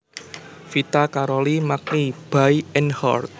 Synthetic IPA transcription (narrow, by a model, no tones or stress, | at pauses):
fit̪akaɾɔlimak̚nib̥ajɛnhɔ̰rt̪̚